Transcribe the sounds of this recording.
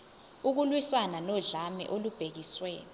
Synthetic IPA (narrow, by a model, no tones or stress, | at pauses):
uk̬ulwisananɔɮamɛ̰ʔolub̥ʱek̬iswɛːni